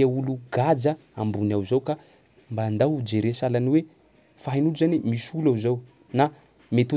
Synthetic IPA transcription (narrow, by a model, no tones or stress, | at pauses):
auluɡad͡zə | ambunawzawka | mbaːnd̪awud͡ʒeɾesalaniwe | faɦinuluzanimiʃulawzaw | na | met̪u